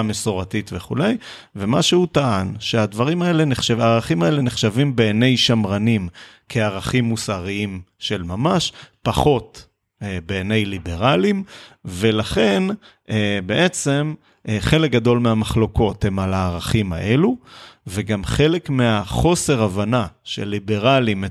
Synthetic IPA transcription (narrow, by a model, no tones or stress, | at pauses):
mesoʁatit̪veχṵle̞j | ve̞maʃehut̪aʔanʃead̪vaʁimae̞le̞neχʃaaːʁaχimae̞le̞neχʃavimbeːne̞jʃamʁanimkʰeaʁaχimːusaʁiim | ʃe̞lmamaʃpaχo̞t̪ | beːne̞jlibe̞ʁalimve̞laχe̞n | ʔebe̞ʔet͡se̞m | χe̞lek̚ɡado̞lmeamaχlo̞ko̞the̞malaːʁaχima̰ʔe̞luveɡamχe̞le̞kmeaχo̞se̞ʁavanaʃḛlːibe̞ʁalime